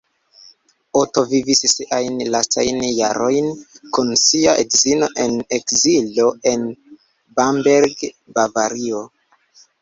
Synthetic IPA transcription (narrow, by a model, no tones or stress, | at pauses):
oto̞vivissiʔajnlastajnjaɾo̞jnkunsiaʔedzino̞ʔe̞ne̞kzilo̞e̞n | bambeɾɡ | bavaɾio